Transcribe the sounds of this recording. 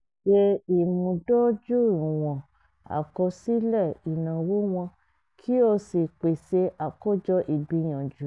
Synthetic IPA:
ʃe˧i˨mũ˨˧do˦d͡ʒu˦˨ĩ˨w̃ɔ̃˨ | a̰˨kɔ˧si˦lɛ˦˨i˨nã˨wo˨˦w̃ɔ̃˧ | kʰi˦o˧si˨k͡pe˨se˧ʔa˨ko˦˨d͡ʒɔ˧˦ʔi˨bi˧˦j̃ã˨d͡ʒu˨˦

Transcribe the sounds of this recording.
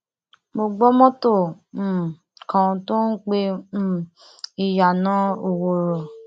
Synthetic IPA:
mo˧ɡ͡bɔ˦mɔ̃˦to˦˨˦ | kã˨˧to˦n̩˦k͡pẽ˧˦˨ | i˨ja˨nã˨˦o˨wo˨ɾɔ˨

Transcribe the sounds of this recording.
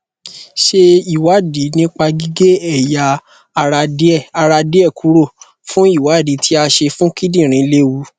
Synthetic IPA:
ʃe˧i˨wa˨˦˨di˨˦nĩ˦k͡pa˧ɡi˦ɡe˦ɛ˦˨ja˧ | a˧ɾa˧˦˨a˧ɾa˧de˦ɛ˦˨kʰu˨˦ɾo˦˨ | fũ˦i˦˨wa˨˦˨di˨˦tʰi˦a˧ʃe˧fũ˦ki˦dĩ˦˨ɾ̃ĩ˨˦le˦wu˧

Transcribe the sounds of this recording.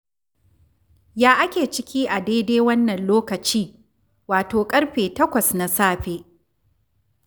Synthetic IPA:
jaː˦ʔa˦kʲeː˨t͡ʃɪ˦kʲiː˦ʔa˨deː˦deː˦wɐ˦nːɐ˨nloː˦kɐ˨t͡ʃiː˦ | waː˨toː˨kʼɐ˦ɽɸeː˨tɐ˦kʷɐ˨sna˨saː˦ɸeː˦ʔ

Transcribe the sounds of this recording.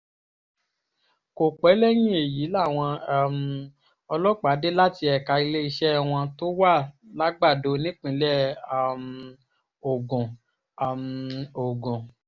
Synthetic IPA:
ko˨k͡pɛ˨˦lɛ˦j̃ĩ˦e˨ji˨˦la˦˨w̃ɔ̃˧˦m | ɔ˧lɔ˦k͡pa˨˦de˦la˦ti˧ɛ˨ka˧i˧le˦i˧ʃɛ˦˨w̃ɔ̃˧to˦wa˦˨la˦ɡ͡ba˦˨do˧˦nĩ˦k͡pĩ˧˦lɛ˦˨m̩ | o˨ɡũ˨ | a˨mo˨ɡũ˨

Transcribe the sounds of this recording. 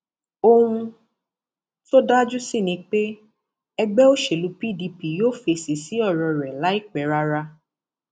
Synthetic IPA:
o˧hũ˧ | to˦da˦d͡ʒu˦si˦˨nĩ˧˦k͡pe˦ | ɛ˧ɡ͡bɛ˦o˦ʃe˨lu˨˦pi˦˨di˧pi˨joː˦˨fe˧˨si˨˦si˦ɔ˦˨ɾɔ˧˨ɾɛ˨la˨˦i˦˨k͡pɛ˨˦ɾa˧˦ɾa˧

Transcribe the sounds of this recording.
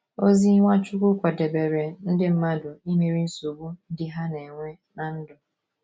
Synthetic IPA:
o˦zi˦ŋʷa˦t͡ʃʊ˦kʷʊ˦kʷa˨de˨be˨ɾe˨n̩˦dɪ˦m̩˦ma˦dʊ˨i˦me˨ɾi˦n̩˦su˨bu˦n̩˦dɪ˦ɦa˦ne˨ŋʷe˦ | na˨n̩˦dʊ˨

